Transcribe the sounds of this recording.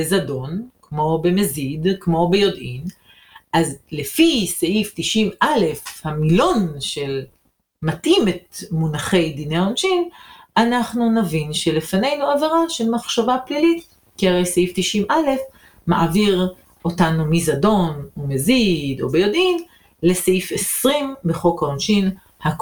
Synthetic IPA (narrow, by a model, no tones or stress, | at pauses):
bezado̞nkmo̞be̞mezid̪kmo̞be̞jo̞dʔin | ʔazlefiseʔift̪iʃimʔale̞fhamilo̞nʃe̞l | matʔimetmunaχe̞jd̪inejaonʃimanaχnunavinʃelefane̞jnuaveʁaʃelmaχʃavaplilit̪ | kiaʁe̞jseift̪iʃimʔale̞f | maʔaviʁ | ʔo̞tanumizado̞nomezido̞bejod̪in | leseifesʁimbeχo̞kaonʃin | hak